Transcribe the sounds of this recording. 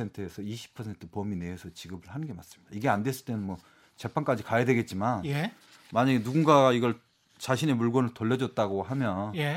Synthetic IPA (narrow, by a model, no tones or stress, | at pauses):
entʰɯesʰʌiɕʰi̥pʰʌsʰe̞ntʰɯpomineesʰʌt͡ɕiɡɯbɯɭhanɯnɡe̞mas͈ɯmɲid̥aiɡe̞andwe̞s͈ɯɭt͈enɯnmwʌ | t͡ɕe̞pʰank͈ad͡ʑikajadwe̞ɡe̞t̚t͡ɕ͈imanj | maɲaɡenuɡuŋɡaɡaiɡʌɭ | t͡ɕaɕʰine̞muɭɡʌnɯɭtoʎːʌd͡ʑʌt̚t͈aɡohamjʌnj